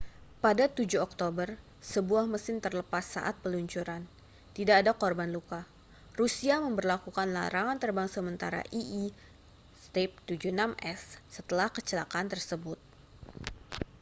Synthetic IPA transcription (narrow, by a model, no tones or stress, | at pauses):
padat̪ud͡ʒuɔk̚t̪obər | səbuahməsɪnt̪ərləpasːa̰ʔat̪̚pəluɲt͡ʃuɾan | t̪idaːdakɔrbanluka | rusiaməmbərlakukanla̰ɾaŋant̪ərbaŋsəmənt̪aɾa̰ʔiʔː | st̪ɛp̚t̪ud͡ʒunamʔɛsːət̪əlahkət͡ʃəlakant̪ərsəbʊt̪̚